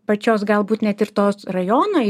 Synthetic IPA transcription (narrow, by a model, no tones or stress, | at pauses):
pɐt͡ʃʲoːsɡɐlˠbuːt̪nʲɛt̪ɪɾt̪oːsrɐjoːnoː